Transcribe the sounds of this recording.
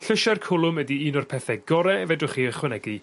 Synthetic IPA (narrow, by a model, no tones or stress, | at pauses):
ɬəʃarkʰʊlˠʊmɛdiiːnɔrpʰɛθɛɡɔɾɛvɛdʊχiːəχwɛnɛɡi